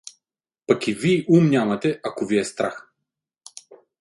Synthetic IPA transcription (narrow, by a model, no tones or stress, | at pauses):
pɐkiviʔumnʲamɐt̪ɛʔakoviɛst̪ɾax